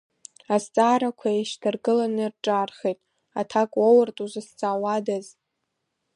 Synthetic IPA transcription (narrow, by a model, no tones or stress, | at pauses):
ast͡sʼaːɾakʷʰaeʃtʰɨrɡʼɨlanɨrʈ͡ʂʼarχejtʼ | atʰakʼwowʊrtʼuzɨst͡sʼaːwadaz